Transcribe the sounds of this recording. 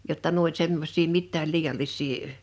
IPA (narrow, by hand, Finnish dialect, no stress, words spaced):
jotːɑ nuo olʲ semːosˑiː mitːæːl liːj̆ɑlːisˑiː